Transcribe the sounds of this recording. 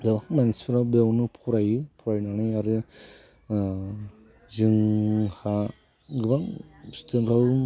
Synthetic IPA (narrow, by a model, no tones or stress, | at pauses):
ɡɯbaŋmanispʰiɾawbewnɯpʰuɾajɯpʰuɾajnanɯjaɾɯ | zɯŋha | ɡɯbaŋstʰenɾaw